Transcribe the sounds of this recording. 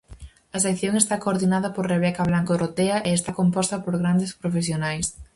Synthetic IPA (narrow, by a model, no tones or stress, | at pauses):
ɐsekθjoŋest̪akoːɾðinaðɐpoɾreβ̞ɛkɐβlaŋkorʔot̪eɐʔeest̪akompɔst̪ɐpoɾɣɾand̪espɾofesjonajs